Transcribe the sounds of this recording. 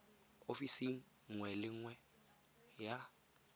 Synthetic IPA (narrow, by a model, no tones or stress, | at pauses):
ofisiŋ̩ | ŋwɛlɪŋwɛ | ja